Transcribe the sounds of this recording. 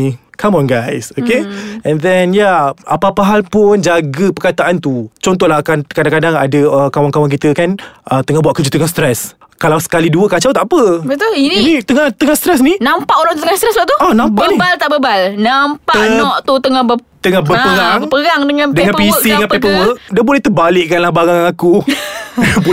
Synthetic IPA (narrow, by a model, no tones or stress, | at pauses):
kʰamɔ̃nɡajsokeɛ̃nd̪ɛnjaapapaɦalpʊnd͡ʒaɡəpərkat̪aʔant̪ut͡ʃɔnt̪ɔhlakankadãŋkadaŋa̰dəəkawaŋkawaŋk̬it̪əkanʔət̪əŋahbuaʔkəd͡ʒut̪əŋahst̪ɾɛs | kalawsə̥kaliduəkat͡ʃawt̪aʔpəbət̪uininit̪əŋaht̪əŋahst̪ɾɛs̬ninampaʔoɾaŋt̪ut̪əŋahst̪ɾɛsbaʔt̪uɔnãmpaʔnibalt̪aʔbəbalnampaənɔʔt̪ut̪əŋahbə | t̪əŋahbəpəɾaŋəpəɡaŋdəŋãndəŋanpisiŋanppɛpəwəʔdabulɛht̪əbalɪʔkanlahbaɾaŋaku | pu